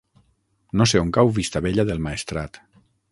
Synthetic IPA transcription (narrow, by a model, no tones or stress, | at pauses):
noseoŋkawβist̪aβeʎaðelˠmaest̪ɾat̪